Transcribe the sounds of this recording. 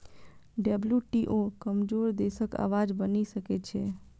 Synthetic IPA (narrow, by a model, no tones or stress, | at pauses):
ɖəbljuʈiʔokəmd͡ʒoɾd̪esəka̰ʋad͡ʒbənisəket͡ʃʰe